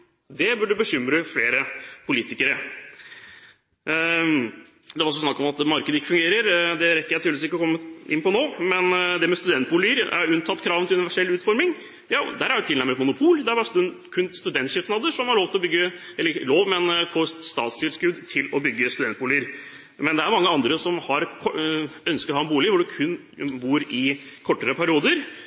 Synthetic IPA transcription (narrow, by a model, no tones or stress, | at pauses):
d̪ɛbʉɖʉbəɕʏmɾəfleːɾəpʰʊliːt̪ɪkəɾə | d̪ɛʋɑɾɔsɔsnɑkːɔmɑt̪mɑɾkəd̪əɪkːəfʉŋɡeːɾəɾd̪ɛɾɛkːəɾjæɪiːlsɪkəɔkʰɔmːəʔɪnːpɔnoːmɛnd̪ɛmɛst̪ʉd̪ɛnt̪̚bʊliːəɾæ̰ɾʉnt̪ʰɑt̪ːkʰɾɑːʋət̪ʰɪlʉnɪʋæʂɛlʉːt̪fɔɾmɪŋ | jɑːd̪æɾæjʊt̪ɪlæɾmət̪mʊnʊpʰuːld̪æbɑːɾst̪ʉkʰʉnst̪ʉd̪ɛnt̪ʃɪt̪nɑːd̪əʂɔmhɑɾɭoːʋt̪ɪlɔbʏɡːəɛlːəloːʋmɛnfoːst̪ɑ̰ːt̪st̪ʰɪlskʉd̪t̪ʰɪlɔbʏɡːəst̪ʉd̪ɛnt̪̚buːlɪəɾ | mɛnd̪ɛæɾmɑŋːəɑnd̪ɾəsɔmhɑɾkʰɔœnskəɾhɑːɛnbuːlɪʋʊɖʉkʰʉnː | buːɾɪkʰɔʈːəɾəpʰæɾɪuːd̪əɾ